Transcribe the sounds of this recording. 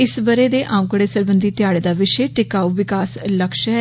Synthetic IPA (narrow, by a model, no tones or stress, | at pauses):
ɪsbəɾeːd̪eːʔãːũkəɽeːsəɾbənd̪iːt̪jaːɽeːd̪aːʋɪʃeːʈɪkaːuʋɪkaːsləkʃɦɛ